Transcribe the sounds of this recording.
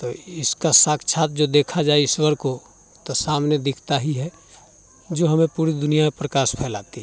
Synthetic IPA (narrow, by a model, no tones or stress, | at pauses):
t̪oːɪskasaːkt͡ʃʰaːt̪̚d͡ʒoːd̪eːkʰad͡ʒaːeɪswəɾko | t̪osaːmned̪ɪkʰt̪aɦiɦɛ | d͡ʒoːɦɐmẽpuːɾid̪ʊnijamẽpɾəkaːʃpʰɛːlaːt̪iɦɛ